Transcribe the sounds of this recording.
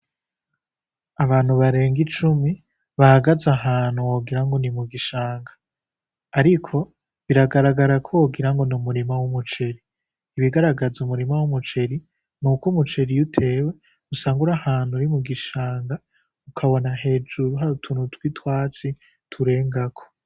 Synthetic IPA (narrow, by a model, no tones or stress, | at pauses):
aβaːn̥huβaɾe̞ːŋɡit͡ʃumi | βahaɡazaɦaːn̥huwoɡiɾaŋɡo̞nimuɡiʃaːŋɡaː | ɾikʰo̞ | βiɾaɡaɾaɡaɾakʰowoɡiɾaŋɡo̞numuɾimawumut͡ʃe̞ɾiː | βiɡaɾaɡazumuɾimawumut͡ʃe̞ɾi | nuːkumut͡ʃe̞ɾijutʰe̞ːwe̞ | usaːŋɡuɾahaːn̥huɾimuɡiʃaːŋɡa | ukʰaβo̞naɦe̞ːd͡ʒuɾuɦaɾutʰunutwitwaːt͡si | tʰuɾe̞ːŋɡakʰo̥